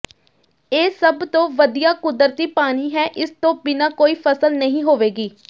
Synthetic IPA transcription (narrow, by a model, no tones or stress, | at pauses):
eːsəbt̪õːʋəd̪ijaːkʊd̪əɾt̪iːpaːñiːɦɛːʔɪst̪õːbɪnaːkoːiːpʰəsəlnəɦĩːɦoːʋeːɡiː